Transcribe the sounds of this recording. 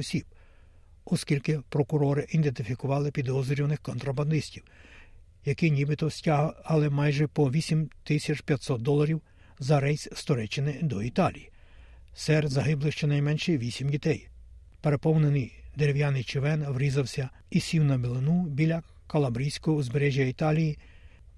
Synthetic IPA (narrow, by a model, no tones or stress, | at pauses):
ɔsʲib̥ | ɔskʲilʲkɪpɾɔkʊɾɔɾɪʔind̪ent̪ɪfʲikʊʋɑlˠɪpʲid̪ɔzɾʲiwnɪxkɔnt̪ɾɐbɐnd̪ɪsʲtʲiw | jɐkɪnʲibɪt̪ɔsʲtʲaɦɐlˠɛmɑjʒɛpɔʋʲisʲimt̪ɪsʲɐt͡ʃpʲjɐt̪ʲsɔt̪̚d̪ɔlˠɐɾʲiw | zɐɾɛjsʲst̪ɔɾɛt͡ʃːɪnɪd̪ɔit̪ɑlʲijisɛrzɐɦɪblˠɪʃt͡ʃɛnɐjmɛnʃɛʋʲisʲimdʲit̪ɛj | peɾe̞pɔwnenɪjd̪eɾʲewjɑnɪjt͡ʃɪʋɛnʋɾʲizɐwsʲɐ | isʲiwnɐbelˠɪnubʲilʲɐ | kɐlˠɐbɾʲijsʲkɔɦɔuzbeɾɛʒʲjɐit̪ɑlʲiji